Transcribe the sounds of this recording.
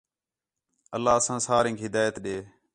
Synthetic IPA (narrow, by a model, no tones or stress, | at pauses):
əlːaːsãːsaːɾẽːkɦɪd̪aːjət̪ɗeː